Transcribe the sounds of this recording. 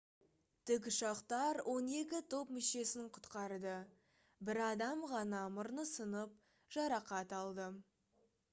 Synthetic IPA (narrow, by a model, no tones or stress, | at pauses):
t̪ʰʏk̬ʲɪʃɑqt̪ɑɾwʔo̞ne̞kʲɪt̪ʰo̞pmɪʃe̞sɪŋqʰʊ̥t̪qɑɾd̪ə | bɪɾɑd̪ɑmʁɑnɑmʊɾnəsənəp̚ | ʒ̥ɑɾɑqɑt̪ɑlˠd̪ə